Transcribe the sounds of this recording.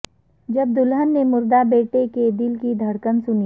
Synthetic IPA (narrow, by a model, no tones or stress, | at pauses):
d͡ʒɐb̚d̪ʊlɦənːemʊɾd̪abeːʈeked̪ɪlkid̪ʱɐɽkənsʊni